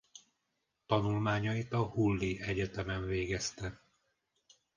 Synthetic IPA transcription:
t̪ɒnulmaːɲɒit̪ɒhulːiɛɟɛt̪ɛmɛɱveːɡɛst̪ɛ

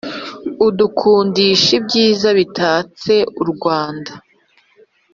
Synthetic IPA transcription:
udukʰuːndiʃibɟiːzaβitʰaːt͡se̞uɾɡwaːnda

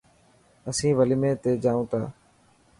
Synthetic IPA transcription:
əsĩːʋəliːmẽːt̪eːd͡ʒaːũːt̪a̰ː

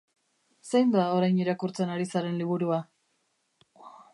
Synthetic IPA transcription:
sejnd̪ao̞ɾajniɾakuɾt͡se̞naɾisaɾe̞nliβ̞uɾua

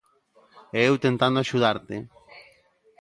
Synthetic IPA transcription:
eewt̪ẽnt̪ãnd̪oaʃuð̞aɾt̪e

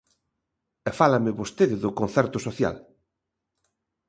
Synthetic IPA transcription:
ɛfalamɪβost̪eðɪðʊkon̟θɛɾt̪ʊsoθja̰l

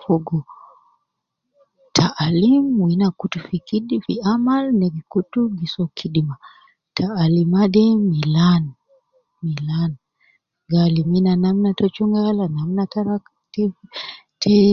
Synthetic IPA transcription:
fɔɡɔ | tʰaʔalimwinakutufikiɗfiamalnɛɡikutuɡisɔkʰiɗima | tʰaːlimadɛmilan | milan | ɡaliminanamnatɔt͡ʃuŋɡalanamnataɾa | tɛ | tʰɛ

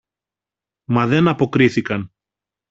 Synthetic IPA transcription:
mɐðe̞nɐpo̞kɾiθikɐn

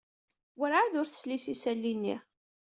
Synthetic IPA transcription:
wəɾʕaðʊɾθə̥slisisælːinːḭ

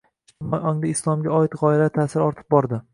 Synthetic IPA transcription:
majʔɒŋd̪aɪslˠɒmɡʲaɒɪt̪ʁɒɪlat̪ʰasɪɾɒɾt̪ʰɪ̥p̚bɒɾd̪ɪ

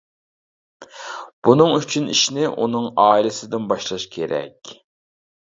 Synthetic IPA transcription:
b̥unɨŋyt͡ʃʰyniʃnɪʔunɨŋɑːilɪsɪd̪ɪnbɑʃlˠɑʃkʲʰeɾɛ̰kʲ

